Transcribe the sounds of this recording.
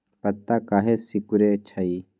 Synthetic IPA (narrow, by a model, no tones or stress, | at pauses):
pɐt̪ːakaːɦesikuɾet͡ʃʰaiː